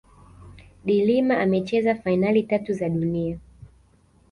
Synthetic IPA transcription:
ɗilimaʔamɛt͡ʃɛzafainalitatuzaɗunia

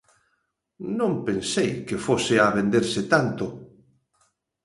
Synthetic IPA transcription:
nõmpensejkɪfosɪaβend̪eɾsɪt̪ant̪ʊ

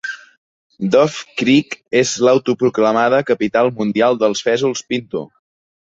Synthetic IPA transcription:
d̪ɔfkɾikezləwt̪upɾukləmaðəkəpit̪alˠmund̪ialˠd̪əlˠsfɛzulˠspint̪ṵ

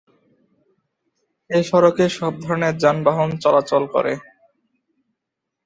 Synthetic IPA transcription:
eʃɔɾokeʃɔb̚d̪ʱɔɾoneɾd͡ʑanbaɦont͡ɕɔlat͡ɕolkɔ̰ɾḛ

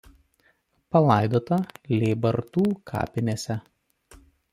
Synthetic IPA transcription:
pɐlˠɑˑɪd̪oːt̪ɐlʲeːbɐɾt̪uːkʰɑ̰ːpʲɪnʲeːsʲɛ

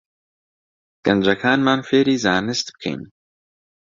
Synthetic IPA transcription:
ɡ̥ɐnd͡ʒɐkʰaːnmaːnfeːɾiːzaːnɨst̪̚bɨ̥kʰḛjn

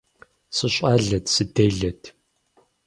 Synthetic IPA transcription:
sɨɕʷʼɐːɮɐtʰsɨdeːɮɐtʰ

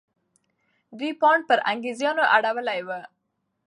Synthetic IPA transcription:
d̪wipɑɳɖ̚pəɾʔa̰ŋɡezjɑnoʔaɽawəlajwə

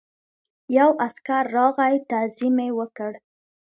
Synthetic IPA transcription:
jawʔaskaɾːɑɣajt̪azimewəkəɽ

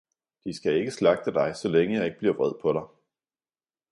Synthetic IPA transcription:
d̥isɡ̥æe̝ɡ̥əslɑ̈ɡ̥̚d̥əd̥ɑ̈ɪsɒ̽leŋəjɑ̈e̝ɡ̥ə̥b̥liɐ̰ʋʁɛð̞̰ˠpʰɒ̽ɾ̥ɑ̈ɪ

